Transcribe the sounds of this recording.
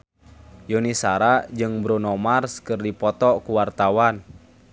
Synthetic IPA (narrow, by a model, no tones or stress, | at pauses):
jonisaɾad͡ʒɨŋbɾonɔmarskɨrdipɔt̪ɔkuwart̪awan